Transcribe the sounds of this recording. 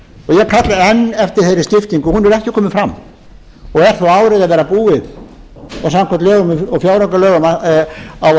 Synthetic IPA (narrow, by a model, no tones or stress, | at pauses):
ɔɣjɛkʰat̪laɛnːɛft̪ɪɾ̥θejɾɪ̥st̪ɪft̪iŋkʏhunvɛɾɛhcɪ̥kʰɔːmɪfɾamː | ɔɣɛɾ̥θawaːwɾɪðaðvɛːɾapuːɪð | ɔsamkʰɛt̪lɛːɣʏmɪɔfjawɾakalœːɣama | aw